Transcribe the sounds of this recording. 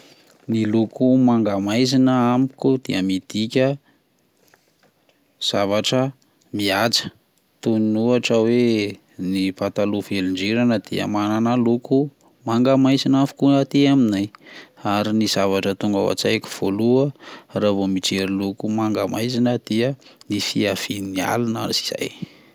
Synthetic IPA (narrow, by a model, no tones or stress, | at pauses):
nilukumaŋɡamajzinəamikud̪̥iəmid̪̥ikʲə | z̥avaʈ͡ʂə | miat͡sə̥ | t̪uninuaʈ͡ʂəwe | nipat̪aluveliɳɖ͡ʐeɾanəd̪̥ḭə̰mananaluku | maŋɡamajzinafi̥kuat̪eaminajaɾiniz̥avaʈ͡ʂət̪uŋɡa̰wa̰t͡sajku̥v̥oluəravomiʈ͡ʂeɾilukumaŋɡamajzinəd̪̥iənifiav̥ininia̰lunaɾizi̥z̥a̰j